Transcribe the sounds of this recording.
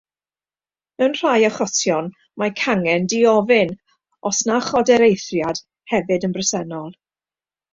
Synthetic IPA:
ənr̥ajɔχɔtʰjɔn | makʰaŋɛndiɔvɪn | ɔsnaχɔdɛɾejθrjad̥ | hɛvɨdənbrəsɛnɔlˠ

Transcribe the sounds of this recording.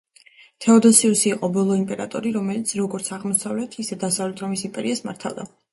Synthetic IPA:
t̪ʰɛɔd̪ɔsiusiːqʼɔbɔlˠɔimpʼɛɾat̪ʼɔɾiɾɔmɛlit̪sʰɾɔɡɔɾt̪sʰaʁmɔsavlɛt̪ʰisɛd̪asavlɛt̪ʰɾɔmisimpʼɛɾiasma̰ɾt̪ʰa̰lˠd̪a

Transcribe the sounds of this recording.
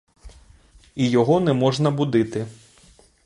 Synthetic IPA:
ijɔɦɔnɛmɔʒnɐbʊd̪ɪt̪ɪ

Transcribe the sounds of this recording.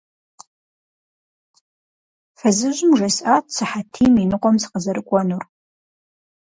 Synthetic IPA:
fɐzɨʒʊmʒɐsʔaːtsɨħatʰiːminɨqʷʼɔmsɨ̥qəzɐɾɨkʷʼɔnur

